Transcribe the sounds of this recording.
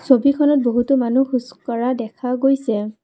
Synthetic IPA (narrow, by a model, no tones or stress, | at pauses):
sobikʰɔnɔt̚boɦutʊmanuxuskɔɹadɛkʰaɡojsɛ